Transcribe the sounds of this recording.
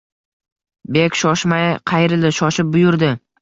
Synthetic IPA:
be̞kʲʃɒʃmajqʰɑjɾɪlɪʃɒʃɪp̚bʊjʊɾd̪ɪ

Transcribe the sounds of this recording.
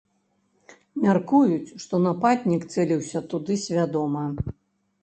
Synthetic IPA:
mʲarkujut͡sʲʂt̪ɔnapad̪ʲnʲikt̪sɛlʲiwsʲɐt̪ud̪ɨsʲvʲad̪ɔmɐ

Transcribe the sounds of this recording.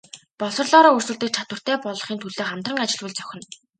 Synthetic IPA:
pɔɮsɞ̆rɮɔːɾɔːɵrswɘ̆ɮt̪ɘ̆k̚t͡ɕʰat̪wə̆r̥t̪ʰæːpɔɮɞ̆χiːnt̪ʰuɮeːχam̥t̪rə̆ŋat͡ɕɪ̆ɮwɘ̆ɮt͡sœ̥xʲɪ̆n

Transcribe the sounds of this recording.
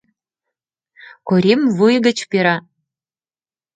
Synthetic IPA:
koɾʲemvujɣə̆t͡ɕpeɾɑ

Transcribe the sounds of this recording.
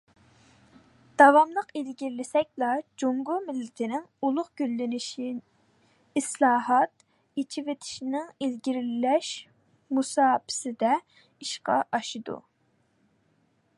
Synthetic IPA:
d̪̥ɑvɑmlˠəqilɡʲiɾlɪsɛk̚ʲlˠɑd͡ʒoŋɡumɪlːɪt̪ʰɪnɪŋulˠʊqɡ̥ʲylːɪnɪʃi | islˠɑːɦɑt̪ | it͡ʃʰivet̪ʰɪ̥ʃinɪŋilɡʲiɾlɪlɛʃ | musɑːpʰɪ̥sɪd̪ɛ | iʃqɑ̰ʔɑʃɨd̪ṵ

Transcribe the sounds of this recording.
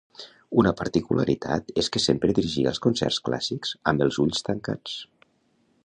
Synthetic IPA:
unəpəɾt̪ikulʔə̰ɾit̪ʰa̰t̪eskəsempɾəðiɾiʒiəlˠskunsɛ̰rskla̰sikz̥əmbəlˠzuʎst̪əŋka̰t͡s

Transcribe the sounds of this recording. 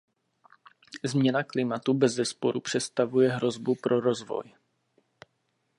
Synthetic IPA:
zmɲɛnaklɪmat̪ubɛzvɛspoɾupr̝̥ɛt̪st̪avujɛɦɾo̞zbupɾʔo̞ɾo̞zvo̞̰j

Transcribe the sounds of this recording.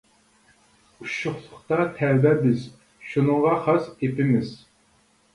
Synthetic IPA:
uʃʊχlˠʊχt̪ɑt̪ʰɛɾbɛbɪz̥ | ʃunɨŋʁɑχɑsepɪmɪz̥

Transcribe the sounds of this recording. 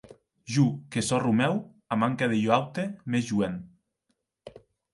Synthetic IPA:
ʒukesɔrumɛw | amaŋkaðeʎoawt̪emezʒuen

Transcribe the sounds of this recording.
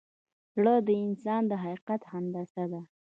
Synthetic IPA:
zɽəd̪əɪnsɑnd̪əɦaqiqat̪hand̪asad̪a

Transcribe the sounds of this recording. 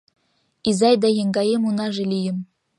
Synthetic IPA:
izɑjd̪ɑjɤ̆ŋɡɑjemunɑʐĕlʲijɘ̆m

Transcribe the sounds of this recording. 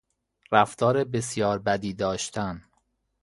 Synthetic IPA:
ɾæft̪ʰɒːɾebe̞sjɒːɾbæd̪iːd̪ɒːʃt̪ʰæn

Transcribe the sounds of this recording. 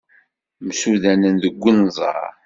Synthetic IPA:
msuðænənðəɡʷːənzˤɑ̰ɾ

